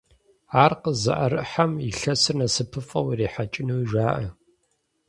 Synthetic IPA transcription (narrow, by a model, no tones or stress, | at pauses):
aːrqəzɐ̰ʔɐɾɨʔħamiɬɐsɨrnɐsɨpʰɨfʼɐwiriːħat͡ʃʼɪnuwʒʷaːʔɐ